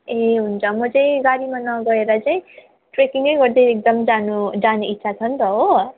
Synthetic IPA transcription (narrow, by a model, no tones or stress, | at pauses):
eɦunt͡sʰʌmʌt͡sãĩɡaɾimanʌɡʌeɾʌt͡saĩ | ʈrekiŋɡʌjɡʌrd̪eek̚d̪ʌmd͡zanud͡zanuit̪ːsʰat͡sʰʌnt̪ʌɦo